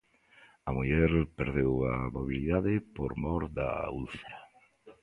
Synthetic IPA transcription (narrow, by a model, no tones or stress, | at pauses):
amuʎɛɾpeɾðewamoβiliðaðɪpoɾmɔɾd̪a̰ulθea